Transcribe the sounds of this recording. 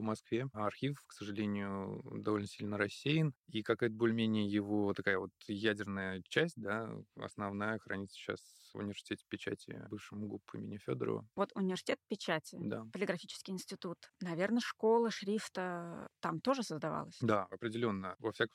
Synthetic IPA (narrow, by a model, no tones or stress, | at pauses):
vmɐskvʲeɐrxʲifksəʐɨlʲenʲɪjʊd̪ɐvo̞lʲnəsʲilʲnəɾɐsʲːejɪnikɐkajt̪əbolʲɪmʲenʲɪjəjɪvo̞t̪ɐkajəvo̞t̪jædʲɪrnəjət͡ɕæsʲt̚ʲd̪aɐ̰snɐvnajəxɾɐ̰nʲit̪sə̥ɕa̰s | ʊ̰nʲɪvʲɪrsʲɪ̥tʲetʲɪ̥pʲɪt͡ɕæ̰tʲɪ̰bɨfʂɨmʊɡupːʊɪ̰mʲɪnʲfʲo̰d̪ə̰ɾə̰və̰vo̞t̪ʊnʲɪvʲɪrsʲɪ̥tʲet̪̚pʲɪt͡ɕætʲɪd̪apəlʲɪɡɾɐfʲit͡ɕɪ̥skʲɪjɪnsʲtʲɪt̪ut̪nɐvʲe̞rnəʂko̞lˠəʂɾʲift̪ət̪amt̪o̞ʐɨsəzd̪ɐva̰lˠəsʲd̪aɐpɾʲɪdʲɪlʲo̞nːəvɐfsʲakəm